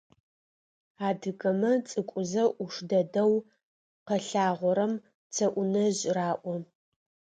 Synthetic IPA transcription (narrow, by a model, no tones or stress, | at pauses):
aːdɨkɐmɐt͡sʼɨkʷʼʊzɐʔʊʂdɐdɐw | qɐɬaːʁʷɔɾɐm | t͡sʰɐʔʷʊnɐʑraːʔʷɔ